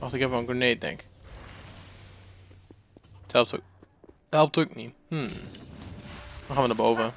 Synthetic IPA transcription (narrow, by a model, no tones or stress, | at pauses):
ʔɑχtɪkɛfvənə̃ɡənejt̚dɛ̰ŋk | thɛlˠp̚tʰ | ɦɛlˠp̚tːk̚nihm̩ | aχaːnʋənaːbowvə